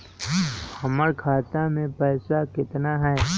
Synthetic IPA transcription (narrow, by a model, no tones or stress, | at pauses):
hɐməɾkʰaːt̪amẽpɛːsakɪt̪naɦɛː